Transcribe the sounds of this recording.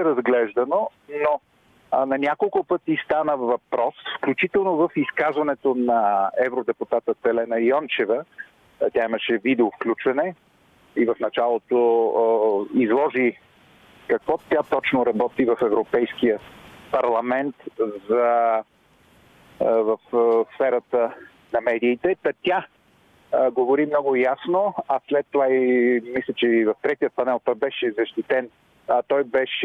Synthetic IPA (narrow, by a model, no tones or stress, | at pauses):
ɛɾɐzɡlɛʒd̪ɐnono | nɐnʲakolˠkʊpɤt̪ist̪anəvɐpɾɔsfklʲut͡ʃit̪ɛlˠnovəfiskazvɐnɛt̪onɐɛvɾod̪ɛpʊt̪at̪ət̪ɛlɛnɐjɔnt͡ʃɛvə | tʲjaimɐʃɛvid̪ɛʊfklʲut͡ʃvɐnɛ | ivɐfnɐt͡ʃalˠot̪o | izlˠɔʒi | kɐkvɔt̪ʲat̪ɔt͡ʃnoɾɐbɔt̪ivɐfɛvɾopɛjskiəpɐɾlˠɐmɛnt̪zɐ | vɐfsfɛɾət̪ə | nɐmɛd̪iːt̪ɛt̪ɐt̪ʲa | ɡovoɾimnɔɡʊjasnoɐslɛt̪ːovaimislʲət͡ʃɛvɐft̪ɾɛt̪ijət̪̚pɐnɛlˠt̪ɔjbɛʃɛzɐʃt̪it̪ɛn | t̪ɔjbɛʃ